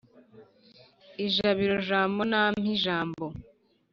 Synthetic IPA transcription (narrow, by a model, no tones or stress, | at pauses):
iʒaβiɾoʒaːmbo̞nam̥hiʒaːmbo